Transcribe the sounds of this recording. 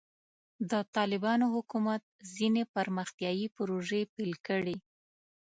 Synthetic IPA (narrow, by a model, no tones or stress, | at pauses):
d̪ət̪ɑlɪbɑnoɦʊkumat̪̚zinepəɾməxt̪jɑjipʊɾoʒepelkəɽi